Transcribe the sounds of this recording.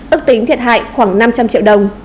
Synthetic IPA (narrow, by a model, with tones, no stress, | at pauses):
ʔɨ˦˥k̚t̪ï˨˦ŋt̪ʰi˨˩ət̚ha̰ː˧˨jxwaː˧˩ŋna˧mt͡ɕa˧mt͡ɕḭ˧˨wɗə˨˩wŋ͡m